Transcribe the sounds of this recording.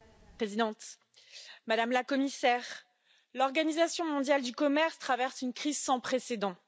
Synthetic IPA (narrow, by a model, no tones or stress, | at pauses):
pχezid̪ɑ̃t̪ | mad̪amlakɔmisɛːʁ | lɔʁɡanizasjɔ̃mɔ̃d̪jald̪ykɔmɛʁst̪χavɛʁsynkχizsɑ̃pχesed̪ɑ̃